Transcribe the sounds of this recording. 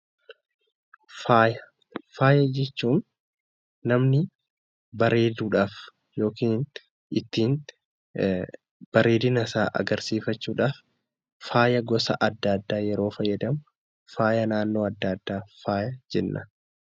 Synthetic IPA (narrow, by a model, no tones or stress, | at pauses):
faːjɐ | faːjɐd͡ʒɛt͡ʃːuːnː | ɐmnɪ | bɐɾe̞ːd̪uːᶑaːf | jo̞ːkiːn | ɪt̪ːiːn | b̥ɐɾeːd̪ɪnɐsaːʔɐ̰ɡɐɾsiːfɐt͡ʃːuːᶑaːf | faːjɐɡɔsɐ̰ʔɐd̪ːaːd̪ːaːjɛɾo̞ːfɐjːɐd̪ɐmʊ | faːjɐnaːnːo̞ːɐd̪ːad̪ːaːfaːjɐd͡ʒɛnːʔɐ